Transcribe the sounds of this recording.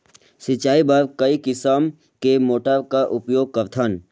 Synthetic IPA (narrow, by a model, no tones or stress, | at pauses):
sɪt͡ʃaːibɐɾkɐikɪsəm | kemoːʈəɾkaʔʊpjoːɡ̚kəɾt̪ʰən